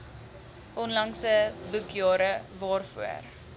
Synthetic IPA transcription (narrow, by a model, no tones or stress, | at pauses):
ʔɔnlɐŋsəbʉkjɑːɾəvɑːrfṵə̰r